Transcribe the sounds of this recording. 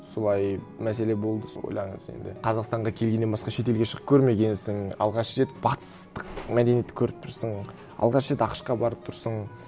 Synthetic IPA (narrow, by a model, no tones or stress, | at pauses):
solˠɑjmæse̞le̞bo̞lˠd̪əwo̰jlˠɑɴə̰ze̞̰nd̪ɪ̰qʰɑzɑqst̪ɑɴʁɑkʲʰe̞lɡʲenebɑsqɑʃe̞t̪̬e̞lɡʲeʃəʁəp̚kʲʰɵɾme̞ɡʲe̞nsɪŋɑ̰lˠʁɑʃəʒe̞t̪bɑt̪ə̥st̪əqmæd̪e̞nijet̪ːɪ̥kʲʰɵɾɪp̚t̪ʰʊɾsəɴ | ɑ̰lˠʁɑʃʒe̞t̪ɑqə̥ʃqɑbɑɾəp̚t̪ʰʊɾsəɴ